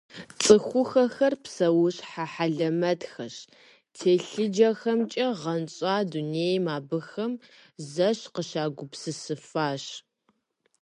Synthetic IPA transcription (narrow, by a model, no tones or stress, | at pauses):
t͡sʼɨxʷʊxɐxɐrpsɐwʊɕħaħaɮɐmɐtxɐɕ | tʰeːɬɨd͡ʒɐxɐmt͡ʃʼɐʁɐnɕʼaːduneːjmaːbɨxɐmzɐɕqəʃaːɡʷʊpsɨsɨfaːɕ